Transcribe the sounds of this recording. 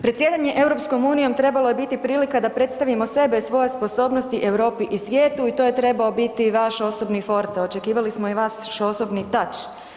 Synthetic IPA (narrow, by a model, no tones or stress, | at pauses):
pɾet̪sjed̪aɲe̞ʔe̞ʋwɾo̞psko̞muːnijo̞mt̪ɾe̞baloje̞bit̪ipɾiːlikad̪apɾe̞t̪st̪aʋimose̞besʋo̞je̞spo̞so̞ːbnost̪iʔe̞wɾo̞ːpiʔisʋje̞ːt̪uit̪o̞ːje̞t̪ɾe̞baobit̪iʋaʃo̞so̞bnifo̞ɾt̪ot͡ʃe̞kiːʋalismoiʋasʃo̞sobnit̪at͡ʃ